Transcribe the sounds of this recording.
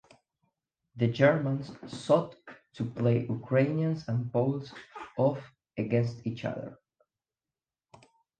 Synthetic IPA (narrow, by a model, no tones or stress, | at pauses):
ðɨd͡ʒɛɹmə̃nssɔtʰː | upleɪʔukʰɹẽɪniə̃nsə̃n̚poʊlˠzɔf | ɨɡɛ̃nstit͡ʃʌ̰ðə̰˞